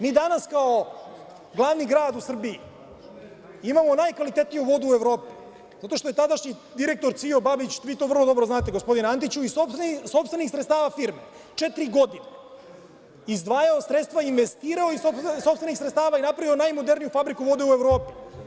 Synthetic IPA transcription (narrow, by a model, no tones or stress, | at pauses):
miːd̪anaskao | ɡlˠaːʋniɡɾaːd̪usr̩bii | imamo̞najkʋalit̪et̪nijuʋo̞d̪uːeʋɾo̞ːpi | zat̪o̞ʃt̪oje̞t̪ad̪aʃɲi | d̪iɾe̞k̚t̪o̞ɾt̪siobabit͡ɕʋiːt̪oːvr̩lˠod̪o̞bɾoznaːt̪eɡospo̞d̪inant̪it͡ɕuisopsso̞pst̪ʋenixsɾet̪st̪aːʋafiɾme | t͡ʂet̪ɾiɡo̞d̪ine | izd̪ʋaːjaosɾet̪st̪ʋainʋest̪iːɾaoisopso̞pst̪enixsɾet̪t̪aːʋainapɾaʋio̞najmo̞d̪eɾnijufabɾikuʋo̞d̪eueʋɾo̞ːpi̥